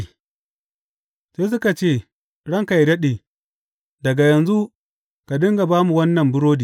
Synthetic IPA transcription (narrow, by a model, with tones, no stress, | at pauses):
seː˦s̬ʊ˦ka˨t͡ʃeː˦˨ | ɽɐ˦ŋka˨ji˨dɐ˦ɗeː˨ | dɐ˨ɡa˨jɐ˨nzu˦ | ka˨dɪ˦ŋɡa˨baː˦mu˨wɐ˦nːɐ˨mbʊ˦ɽoː˦diː˨